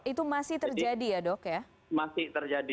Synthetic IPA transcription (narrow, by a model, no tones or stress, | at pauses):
it̪umasɪht̪ərd͡ʒadijadɔkja | masɪht̪ərd͡ʒadi